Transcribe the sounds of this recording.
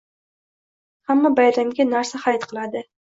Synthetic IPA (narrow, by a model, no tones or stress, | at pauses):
hamːabajɾamɡʲanaɾsahajt̪qʰɨlˠad̪ɪ